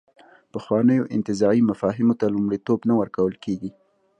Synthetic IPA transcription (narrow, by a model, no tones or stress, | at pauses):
pəxwɑnəjoʔɪ̰nt̪ɪzɑɾimafɑɦɪmot̪alumɽit̪obnawəɾkawəlkeɡi